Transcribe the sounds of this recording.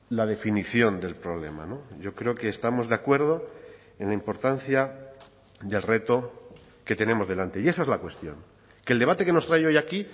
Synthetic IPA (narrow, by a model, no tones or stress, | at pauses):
lað̞e̞finiθjo̞nd̪e̞lpɾo̞β̞le̞̰ma̰no̞ʝo̞kɾe̞oke̞ːst̪amo̞zðakwe̞ɾð̞o̞ | e̞nlaimpo̞ɾt̪anθja | ðe̞lre̞t̪o̞ | ke̞t̪e̞ne̞mo̞zðe̞lant̪e̞je̞saezlakwe̞st̪jo̞̰ŋ | ke̞ld̪e̞βat̪e̞ke̞no̞st̪ɾajo̞jaki